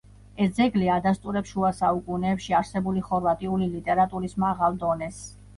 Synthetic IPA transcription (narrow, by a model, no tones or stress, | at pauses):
ɛsd̪zɛɡliad̪ast̪ʼuɾɛpsʃuasaukʼunɛːpʃiaɾsɛbuliχɔɾvat̪ʼiulilit̪ʼɛɾat̪ʼuɾismaʁalˠd̪ɔnɛs